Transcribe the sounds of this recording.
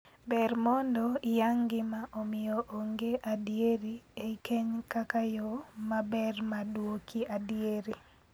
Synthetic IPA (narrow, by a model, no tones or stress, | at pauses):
bɛrmɔndɔjaŋɡɪmaʔomɪjoʔoŋɡeʔadieɾiekʰeɲkakajɔmabɛrmadwokʰiadieɾi